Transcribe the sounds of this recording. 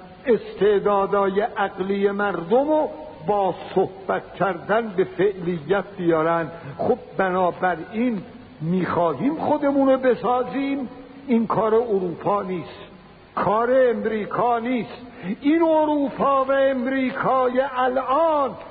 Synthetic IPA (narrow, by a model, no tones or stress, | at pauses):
e̞st̪ʰeʔd̪ɒːd̪ɒːjeʔæɣlijemæɾd̪omo | bɒːsohb̥æt̪̚cʲʰæɾd̪ænbe̞feʔlijːæt̪̚bijɒːɾænd̪χob̚bænɒːbæɾin | miːxɒːɦiːmχod̪e̞muːnobe̞sɒːziːm | inkʰɒːɾeoɾuːpʰɒːniːst̪ | kʰɒːɾe̞ːmɾiːkʰɒːniːst̪ʔinoɾuːpʰɒːvæemɾiːkʰɒːjeʔælʔɑːn